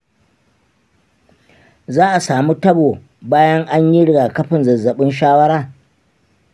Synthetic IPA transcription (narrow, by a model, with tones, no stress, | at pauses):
zaː˦ʔa˨saː˨mu˦tɐ˦boː˨ | baː˦jɐ˦ŋʔa˦ɲji˦ɽɪ˨ɡaː˨kɐ˦ɸɪ˨nzɐ˨zːɐ˨ɓɪ˦nʃaː˦wɐ˦ɽaː˦˨